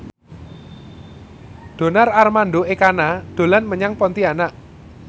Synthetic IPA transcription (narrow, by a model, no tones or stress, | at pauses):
ɖ̥o̤nararmanɖoekanad̪̥o̤lanməɲaŋpɔnt̪ianaʔ